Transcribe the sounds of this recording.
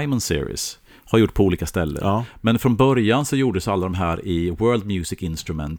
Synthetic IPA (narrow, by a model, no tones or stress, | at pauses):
ɪmɔnsɪ̰ɾɪ̰s | haɾjʊʈːpʰɔuːliːkast̪ɛlːə̰ɾmɛnfɾɔnbœɾjansɔjuːɖəsalːad̪ɔmɦæːɾɪwɜːld̪̚mjʉːsɪkɪnst̪ɾɵmɛ̰nt̪